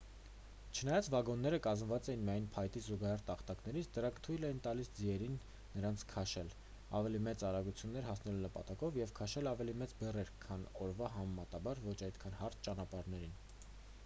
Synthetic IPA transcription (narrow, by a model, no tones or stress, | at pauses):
t͡ʃʰənɑjɑt͡svɑɡɔnːɛɾəkɑzmvɑt͡sɛjinmijɑjnpʰɑjt̪izuɡɑhɛɾt̪ɑχt̪ɑknɛɾit͡sʰd̪əɾɑŋkʰt̪ʰujlɛjint̪ɑlisd͡ziɛɾinː | əɾɑnt͡sʰkʰɑʃɛl | ɑ̰vɛlimɛt͡sɑɾɑɡut͡sʰjunːɛɾɦɑsnɛlunəpɑt̪ɑkɔvjɛvkʰɑʃɛlɑvɛlimɛt͡sbɛrɛɾkʰːɑnɔɾvɑɦɑmɛmɑt̪ɑbɑɾvɔt͡ʃʰɑjt̪kʰɑnhɑɾt̪̚ʰt͡ʃɑnɑpɑɾnɛɾin